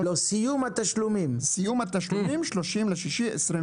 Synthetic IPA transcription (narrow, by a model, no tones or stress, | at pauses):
losijumhat̪aʃlumimsijumat̪aʃlumimʃloʃimleʃiʃiʔesɾi